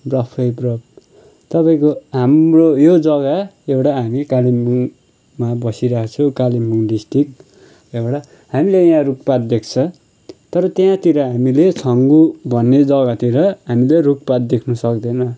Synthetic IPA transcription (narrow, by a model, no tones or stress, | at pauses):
brʌpʰʌjbrʌb̚ | t̪ʌpaĩkoɦamrojod͡zʌɡaewʈaɦamikalimːuŋ | mabʌsiɾakat͡sʰʌkalimːuŋɖisʈrik | ewʈa | hamilejãruk̚pat̪̚d̪ekʰt͡sʰʌ | t̪ʌɾʌt̪jãt̪iɾʌɦamilet͡sʰʌŋɡubʱʌnːed͡zʌɡat̪iɾʌɦamileruk̚pat̪̚d̪ekʰnʌsʌk̚d̪enʌ